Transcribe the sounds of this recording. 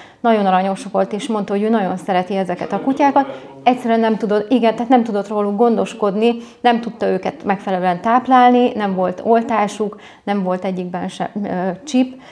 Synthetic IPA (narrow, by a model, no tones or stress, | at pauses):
nɒɟo̞nɒɾɒɲo̞ʃʋo̞lt̪eːʃmo̞nt̪ɒɦoøːnɒɟo̞nsɛɾɛt̪iɛzɛkɛt̪ɒkucaːkɒt̪ | ɛcsɛɾyɛnːɛmt̪ud̪o̞t̪iɡɛnt̪ɛɦat̪nɛmt̪ud̪o̞t̪roːluɡɡo̞nd̪o̞ʃko̞d̪ninɛmt̪ut̪ːɒøːkɛt̪mɛkfɛlɛløɛnt̪aːplaːlninɛɱvo̞lt̪o̞lt̪aːʃuk | nɛɱvo̞lt̪ɛɟːiɡ̚bɛnʃɛ̰t͡ʃip